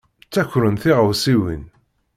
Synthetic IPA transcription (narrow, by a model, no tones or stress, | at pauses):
t͡sːæçɾənθiʁəwsiwḭn